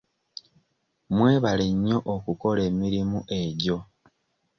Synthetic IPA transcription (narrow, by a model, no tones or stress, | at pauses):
mwe̞ːβaleɲːo̞ʔokuko̞le̞ːmiɾimuʔe̞ɟo̞